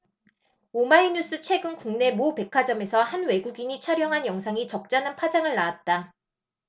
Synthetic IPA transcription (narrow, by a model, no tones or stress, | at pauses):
omaiɲus͈ʰɯt͡ɕʰwe̞ɡɯnkuŋne̞mope̞kʰad͡ʑʌme̞sʰʌhanwe̞ɡuɡiɲit͡ɕʰʌɾjʌŋɦanjʌŋsʰaŋit͡ɕʌk̚t͡ɕ͈anɦanpʰwad͡ʑaŋɯɭːaat̚t͈a